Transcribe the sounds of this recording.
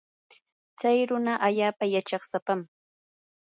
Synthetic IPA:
t͡sajɾʊnaʔaʎaːpajat͡ʃɑχsapam

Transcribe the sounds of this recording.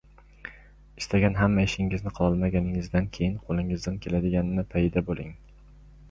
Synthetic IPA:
ɪst̪ʰaɡʲanɦamːaɪʃɪŋɪznɪqʰɒlˠɒlˠmaɡʲanɪŋɪzd̪ankʲʰejɪnqʰolˠɪŋɪzd̪ankʲʰe̞lad̪ɪɡʲanɪnɪpʰajɪd̪abolˠɪŋ

